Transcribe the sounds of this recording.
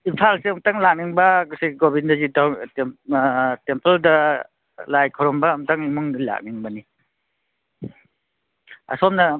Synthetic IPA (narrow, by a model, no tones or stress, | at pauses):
inpʰalseamtaŋlak̚niŋbɐksiɡobindazitaw | tempeldɐ | lajkʰɔɾɔmbɐːmtaŋimuŋla̰k̚niŋbɐni | a̰sɔmna